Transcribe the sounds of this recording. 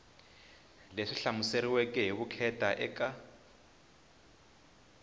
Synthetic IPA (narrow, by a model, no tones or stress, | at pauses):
leʂiɬamuseɾiwɛkʼɛɦiβukʰɛtʼaʔɛka